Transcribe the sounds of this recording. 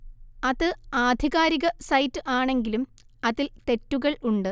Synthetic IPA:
ɐðɨaːd̪ʱiɣaːɾiɣɐsɐjtːɨʔaːɳe̞ŋɡilum | ɐðilt̪e̞tːuɣɐɭuɳɖɨ

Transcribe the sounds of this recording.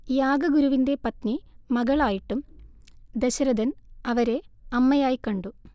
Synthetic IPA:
jaːɡɐɡuɾuʋinde̞pɐt̪nimɐɣɐɭaːjiʈːum | d̪eɕɐɾɐd̪ɐnɐʋɐɾe̞ɐmːɐjaːjikːɐɳɖu

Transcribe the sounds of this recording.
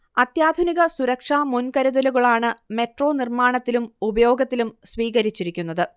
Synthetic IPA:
ɐt̪jaːd̪ʱuniɣɐsuɾɐkʂaːmunkɐɾuðɐluɣɐɭaːɳɨme̞ʈro̞ːnirmaːɳɐt̪ːilumubɐjo̞ːɡɐt̪ːilumsʋiːɣɐɾit͡ɕːiɾikʲːunːɐðɨ

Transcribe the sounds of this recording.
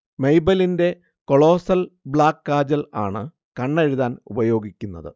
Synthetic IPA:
mejbɐlinde̞ | ko̞ɭo̞ːsɐlbɭaːkːaːd͡ʑɐla̰ːɳɨ | kɐɳːeɻiðaːnṵbɐjo̞ːɡikʲːunːɐðɨ̰

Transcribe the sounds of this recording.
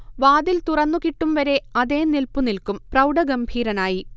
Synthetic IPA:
ʋaːd̪ilt̪urɐnːukiʈːumʋɐɾe̞ɐðe̞ːnilpunilkumprɐwɖɐɡɐmbʱiːɾɐnaːji

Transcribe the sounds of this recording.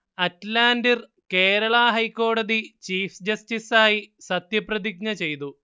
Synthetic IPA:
ɐtlaːndir | keːɾɐɭaɦɐjkːo̞ːɽɐðit͡ɕiːfd͡ʑɐstisaːjisɐt̪jɐprɐðiɡ̚ɲɐt͡ɕe̞jt̪u

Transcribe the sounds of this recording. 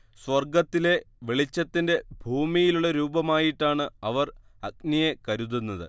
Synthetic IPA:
swɐrɡɐt̪ːile̞ | ʋeɭit͡ɕːɐt̪ːinde̞bʱuːmijiluɭːɐɾuːbɐmaːjiʈːaːɳɨɐʋɐrɐɡnijekɐɾuðunːɐðɨ̰

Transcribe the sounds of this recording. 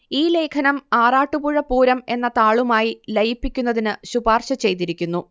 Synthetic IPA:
iːle̞ːkʰɐnɐmaːraːʈːubuɻɐpuːɾɐme̞nːɐt̪aːɭumaːjilɐjipːikʲːunːɐðinɨɕubaːrɕɐt͡ɕe̞jt̪iɾikʲːunːu

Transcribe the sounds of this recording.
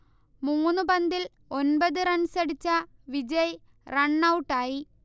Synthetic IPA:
muːnːɨpɐnd̪il | o̞nbɐðɨɾɐɳsɐɽit͡ɕːɐʋid͡ʑɐj | rɐɳːɐwʈːaːji

